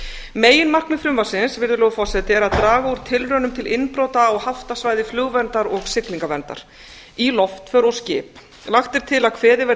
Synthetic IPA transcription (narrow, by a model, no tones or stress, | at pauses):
meːjɪnmar̥knʏfɾʏmvasɪnsvɪɾðʏlɛːɣʏfɔsɛt̪ɪɛɾaðt̪ɾaːɣauɾ̥t̪ʰɪlɾœːnʏmt̪ʰɪlɪnpɾowt̪aɔɣhaft̪asvaːjðɪflʏɣvɛnt̪aɾɔɣsɪkliŋkavɛnt̪a̰ɾ̥ | ilɔft̪fœɾɔscɪːp | laxt̪ɪɾ̥t̪ʰɪlaðkʰvɛːðɪvɛ